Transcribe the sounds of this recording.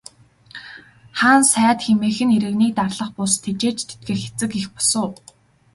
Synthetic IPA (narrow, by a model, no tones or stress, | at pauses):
χaːnsæːt̪xemeːxɘ̆neɾɘ̆ɣniːk̚t̪arɮə̆χpʊst̪ʰːet͡ɕeːt͡ɕt̪ʰet̪̚ɡeːxe̥t͡sɘ̆kixpɔ̥sʊː